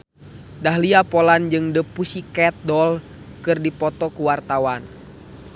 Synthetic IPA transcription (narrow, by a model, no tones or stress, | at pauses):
daɦliapɔland͡ʒɨŋdəpusikɛt̪̚dɔl | kɨrdipɔt̪ɔkuwart̪awan